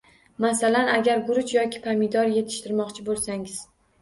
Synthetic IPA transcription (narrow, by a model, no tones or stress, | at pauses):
masalanaɡʲaɾɡʊɾʊt͡ʃjɒkʲʰɪ̥pʰamɪd̪ɒɾje̞t̪ʰɪ̥ʃt̪ɪɾmɒqt͡ʃʰɪbolˠsaŋɪz̥